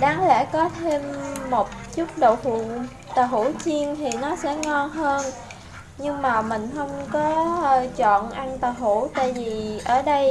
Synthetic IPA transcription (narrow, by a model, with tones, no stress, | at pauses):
ɗaː˨˦ŋlɛ̰˧˥kɔ˨˦t̪ʰe˧mːo˨˩t̚t͡ɕu˦˥k͡p̚ɗo˨whu˨˩˨ | t̪aː˨˩ɦu˧˩˥t͡ɕi˧əŋt̪ʰi˨˩nɔ˨˦sɛ̰˧˥ŋɔ˧nɦəː˧n | ɲɨ˧ŋmaː˨˩mï˨˩ŋ̟xə˧wŋ͡mkɔ˨˦t͡ɕɔ̰˧˨nʔa˧nt̪aː˨˩ɦu˧˩˥t̪a̰ː˧˨jvi˨˩ʔəː˧˩ɗə˧j